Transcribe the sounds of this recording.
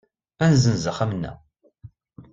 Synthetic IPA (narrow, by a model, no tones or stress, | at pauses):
ænzənzəχæmnːæ̰